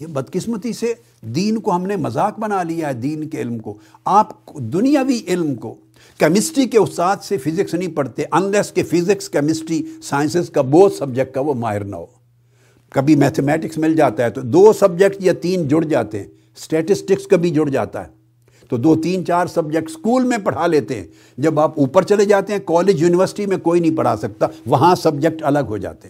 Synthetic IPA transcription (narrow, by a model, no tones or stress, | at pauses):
jebɐd̪kɪsmət̪ise | d̪iːnkoɦɐmnemɐzaːkbɐnalijaɦɛd̪iːnkeɪlmkoaːpd̪ʊnijaʋiʔɪlmko | kɛmɪsʈikeʊst̪aːd̪sefʰɪzɪksnɐɦĩpɐɽt̪eɦɛ̃ʔɐnlɛskefʰɪzɪkskɛmɪsʈisaːɪns̬ɪzkaboːt̪sɐb̚d͡ʒək̚ʈkaʋomaːɪɾna̰ɦoː | kɐbʱimɛːt̪ʰemɛːʈɪksmɪld͡ʒaːt̪aɦɛt̪od̪oːsɐb̚d͡ʒek̚ʈjat̪iːnd͡ʒʊɽd͡ʒa̰ːt̪eɦɛ̰̃ | sʈɛːʈɪsʈɪkskɐbʱid͡ʒʊɽd͡ʒa̰ːt̪a̰ɦɛː | t̪od̪oːt̪iːnt͡ʃaːɾsɐb̚d͡ʒək̚ʈskuːlmẽpɐɽ̤aleːt̪eɦɛ̰̃ | d͡ʒɐbaːpuːpəɾt͡ʃɐled͡ʒaːt̪eɦɛ̃kɔːleːd͡ʒjuːnɪʋəɾsɪʈimẽkoːinɐɦĩpɐɽ̤a̰sɐk̚t̪aʋɐɦãsɐbd͡ʒək̚ʈɐləɡɦo̰d͡ʒa̰ːt̪eɦɛ̃